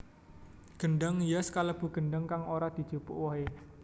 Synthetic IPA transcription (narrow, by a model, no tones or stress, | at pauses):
ɡ̥ənɖaŋjaskaləb̥ṳɡ̥ənɖaŋkaŋoɾad̪̥i̤̥d͡ʒ̥ṳpʊ̰ʔwɔɦe